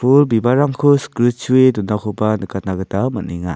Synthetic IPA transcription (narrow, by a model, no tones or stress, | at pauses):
pʰulbibaɾaŋkʰuskɾisʰuedundakʰupanɯkat̚naɡɯtaməniŋa